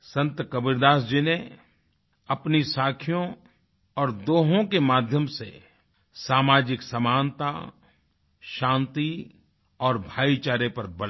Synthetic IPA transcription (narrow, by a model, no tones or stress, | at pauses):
sɐ̃nt̪kɐbɪɾd̪aːsd͡ʒine | ɐpnisaːkʰjõ | ɔːɾd̪oːɦõkemaːd̪ʱjəmsḛ | saːmaːd͡ʒɪksɐmaːnt̪a̰ | ʃãːnt̪i | ɔːɾbʱaːit͡ʃaːɾepɐɾbɐl